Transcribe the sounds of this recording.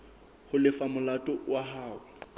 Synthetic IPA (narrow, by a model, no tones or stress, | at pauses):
hʊlɪfamʊlatʼɔwaɦaːwʊ